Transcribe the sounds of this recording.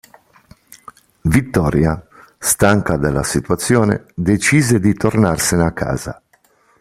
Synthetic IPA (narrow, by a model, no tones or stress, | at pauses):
vit̪ːɔːɾja | st̪aŋkad̪alːasit̪uat̪sːjɔːnḛd̪et͡ʃiːzed̪it̪ornarseneakːa̰ːz̥a̰